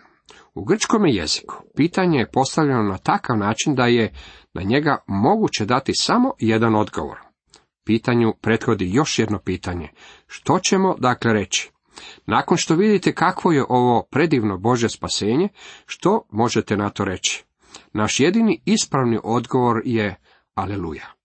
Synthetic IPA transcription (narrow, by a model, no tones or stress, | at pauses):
uɡr̩t͡ʃko̞mjeje̞̰zi̥ku̥piːt̪aɲe̞jepo̞st̪aʋʎenonat̪akaʋnaːt͡ʃind̪ajenʔa̰ɲe̞ɡamo̞ɡut͡ɕe̞d̪at̪isamo̞je̞d̪ano̞d̪ɡo̞̰ʋo̰ɾ | piːt̪aɲupɾe̞t̪xo̞d̪ijo̞ʃjed̪no̞piːt̪aɲe̞ | ʃt̪o̞t͡ɕe̞mo̞d̪akle̞ɾe̞t͡ɕi̥ | naːko̞nʃt̪o̞ʋid̪it̪e̞kakʋo̞je̞ʔo̞ʋo̞pɾe̞d̪iʋno̞bo̞ʒje̞spaseːɲe̞ʃt̪o̞mo̞ʒet̪enat̪o̞ɾe̞t͡ɕi̥ | naʃje̞d̪iniispɾaʋniʔo̞d̪ɡo̞ʋo̞ɾje | alelṵːja